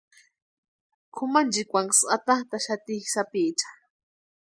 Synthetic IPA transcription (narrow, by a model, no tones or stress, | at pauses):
kʰʊmand͡ʒikʷaŋɡsat̪aχt̪aʃat̪ihsapiʔt͡ʃḁ